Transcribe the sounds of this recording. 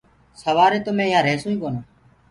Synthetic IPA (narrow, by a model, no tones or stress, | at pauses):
səʋaːɾeːt̪omẽːjãːɾeːsũːĩːkoːnaː